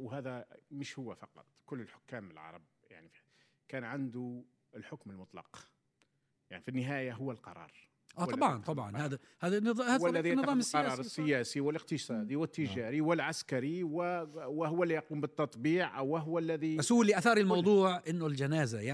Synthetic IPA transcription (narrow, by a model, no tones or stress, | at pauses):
wɦæːðæmɪʃhʊwːafɑqɑ̰t̪ˤkʊlːəlħʊ̥kːæːməlʕɑ̰ɾˤɑ̰b̚ja̰ʕni | kæːnʕand̪ʊ | ɪlħʊkməlmʊt̪ˤlɑ̰q | jaʕnifinːɪɦæːjaɦʊwːalqɑ̰ɾˤɑ̰ːɾˤ | ʔaːt̪ɑbʕɑnt̪ˤɑbʕɑ̰nhaːd̪ | hæːd̪anðˤhæːinːɨðˤɑːmsːɑɾjæˤɑɾˤsːɪjæːsiwɪləq̚t̪əsˤɑːd̪iwɪt̪ːɪʒæːɾiwɪlʕaskaɾiwɪwɪɦʊwːælːijɑquːmbət̪ːɑt̪ˤbiːʕʔwːɪɦʊwːlːæðiʔasuːliʔaθɑːɾilmɑwd̪ˤuːʕʔɪnːʊld͡ʒænæːzaja